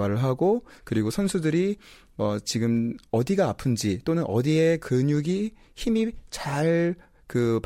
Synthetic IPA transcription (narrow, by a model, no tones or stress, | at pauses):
aɾɯɭɦaɡokɯɾiɡosʰʌnsʰudɯɾi | ʌt͡ɕiɡɯmʌdiɡaːpʰɯnd͡ʑit͈onɯnʔʌdie̞kɯɲuɡi | çimit͡ɕaɭ | kɯp